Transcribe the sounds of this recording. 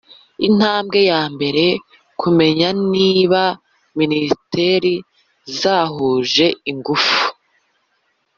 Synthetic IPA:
in̥haːmbɡe̞jaːmbe̞ɾe̞ | kume̞ɲaniːβa | ministe̞ɾi | zaːɦuːʒe̞iŋɡufu̥

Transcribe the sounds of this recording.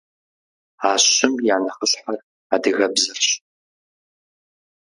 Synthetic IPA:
aːɕɪmjaːnɐχəɕħar | adɨɣɐbzɐrɕ

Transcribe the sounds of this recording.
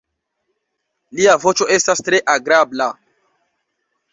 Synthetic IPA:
liavot͡ʃoʔestastɾeʔaɡɾabla

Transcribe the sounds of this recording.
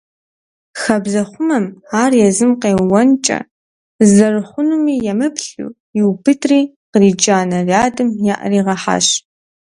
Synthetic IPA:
xɐbzɐχʷʊmɐmaːrjɛzɨmqeːwɐnt͡ʃʼɐ̰ | zɐrɨχʷʊnumiːjɛmɨpʰɬṵː | jɪwbʰɨtʰriː | qəriːd͡ʒaːnɐraːdɨmjaʔɐ̰riːʁɐħa̰ːɕ

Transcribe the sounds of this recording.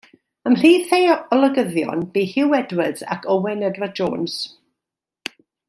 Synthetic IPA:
əmr̥iːθejɔlˠəɡəðjɔ̰nb̥iːhɪwɛdwəza̰kʰɔwɛnɛdvadd͡ʒo̰ːns

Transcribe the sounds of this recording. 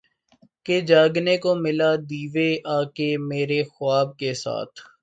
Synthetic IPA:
ked͡ʒaːɡnekomɪlad̪iːʋeʔaːkemeːɾexʊaːb̚kesa̰ːt̪ʰ

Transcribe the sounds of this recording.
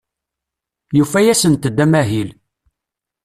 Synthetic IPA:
jufæjæsənt̪əd̪ːæmæɦil

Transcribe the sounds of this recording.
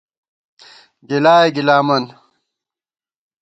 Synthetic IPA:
ɡilaːjeɡilaːmɐn

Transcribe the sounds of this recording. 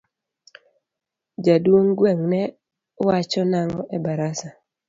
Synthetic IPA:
d͡ʒadwoŋɡwɛŋnɛ | wat͡ʃɔnaŋɔʔɛbaɾasa

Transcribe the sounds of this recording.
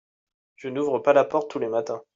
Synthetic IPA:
ʒ̥ənuvʁəpalapɔʁt̪ːulemat̪ɛ̃

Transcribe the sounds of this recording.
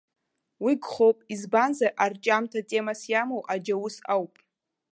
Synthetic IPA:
wiɡχowpʼizbanzaʔart͡ʃʼamtʰatʼe̞masjamowʔad͡ʒawusawpʼ

